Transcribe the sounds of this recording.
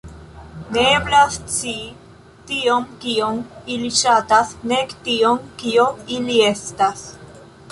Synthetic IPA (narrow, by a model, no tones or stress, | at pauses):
neeblast͡si | tio̞mkiomiliʃatasnektioŋkioilie̞stas